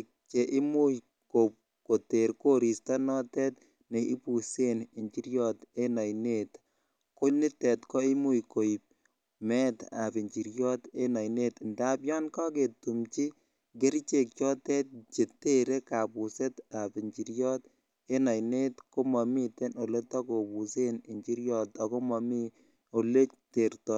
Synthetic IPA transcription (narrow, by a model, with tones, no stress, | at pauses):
k̚ | t͡ʃe˨ʔɪ˦mu˦j | ko˨p̚ | ko˨te˨ɾko˦ɾi˨sta˦nɔ˦tɛ˦t | ne˨i˦pu˨se˦ne˨ɲt͡ʃi˦ɾjɔ˦te˦na˨jnet | ko˦ni˦tɛ˨tkɔ˦i˦mu˦jko˨i˨p̚ | mɛ˦ta̰˨pi˨ɲt͡ʃi˨ɾjɔ˦t̪e˦na˨jne˦t̪nda˦bjɔ˦nka˦ketu˨mt͡ʃi˦ | ɡe˦ɾt͡ʃe˨k̚t͡ʃɔ˦tɛ˦t̚t͡ʃe˨te˦ɾe˦ka˨pu˨se˦tapi˨ɲt͡ʃi˨ɾjɔ˦t | e˦na˨jne˦tko˦mɔ˨mi˦te˦no˨le˦tɔ˦ko˨pu˨se˦ni˨ɲt͡ʃi˦ɾjɔ˨ta˨ko˦mɔ˨mi˦ | o˨le˦te˨ɾtɔ